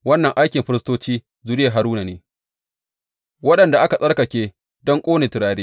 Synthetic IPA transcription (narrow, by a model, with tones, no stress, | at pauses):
wɐ˦nːɐ˨ŋʔa˦jkʲɪ˨mɸɪ˦ɾɪ˦stoː˦t͡ʃiː˦ | zu˨ɾɪ˦je˨ɦa˨ɾuː˦na˨neː˨ | wɐ˦ɗɐ˨nda˨ʔa˦ka˨sʼɐ˦rka˨kʲeː˦ | dɔ˦ŋkʷʼoː˦neː˨tɪ˨ɾaː˦ɾeː˦